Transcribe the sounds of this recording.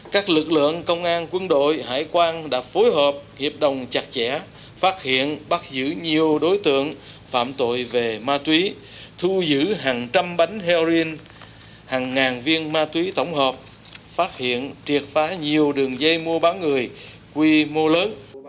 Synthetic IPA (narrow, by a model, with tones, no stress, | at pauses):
kaː˦˥k̚lɨ˨˩k̚lɨ̰˧˨əŋkə˧wŋ͡mʔaː˧nkwə˧nɗo̰˧˨jɦa̰ː˧˨jkwaː˧nɗa̰ː˧˥fo˨˦jɦəː˨˩p̚hḭ˨˩əp̚ɗə˨˩wŋ͡mt͡ɕa˨˩k̚t͡ɕɛ̰˧˥ | faː˦˥t̚hḭ˧˨ənɓa˦˥t̚zɨ̰˧˥ɲi˨˩əwɗo˨˦jt̪ɨ̰˧˨əŋ | fa̰ː˧˨mt̪o̰˧˨jve˨˩maː˧t̪wi˨˦ | t̪ʰu˧zɨ̰˧˥ɦaː˨˩ŋt͡ɕa˧mɓa˨˦jŋ̟ɦɛ˧zi˧n | haː˨˩ŋːaː˨˩nvi˧ənmaː˧t̪wi˨˦t̪ə˧˩wŋ͡mɦəː˨˩p̚faː˦˥t̚hḭ˧˨ənt͡ɕi˨˩ət̚faː˨˦ɲi˨˩əwɗɨ˨˩əŋzə˧jmu˧əɓaː˨˦nŋɨ˨˩əj | kwi˧mo˧ləː˨˦n